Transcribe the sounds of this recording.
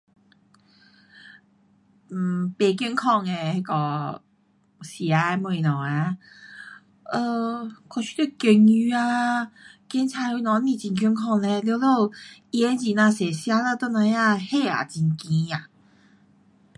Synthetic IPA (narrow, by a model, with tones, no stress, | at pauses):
m̩˨˩pe˨˩k̬jə˥˧nkʰɔ˥˧ŋɛ˨e˧kɔ˧ | ɕi˨˩a˧˦˧mwɔ˧˨i˨nɔ˨˩a˧ | ə˧kʰɔ˧˩t͡ɕʰy̥˥˧t̪e˥˧ke˧ŋy˧a˧ | kjɛ˧˦nt͡sʰa˧ju˧nɔ̃˨˧˦nĩ˧˩t͡ɕi˧˩nkʰy˥˧nkʰɔ˥˧ŋlɛ˧ljo˧˦lo˥˧˩i˧ɛ˧˦nt͡ɕi˨˩nã˧sɛ˨˩ɕja˥˧˦lə˥˧t̪ɔ˥˧nã˧˦ja˥˧he˥˧˩a̰˨˩t͡ɕi˧nkĩ˧a˨˩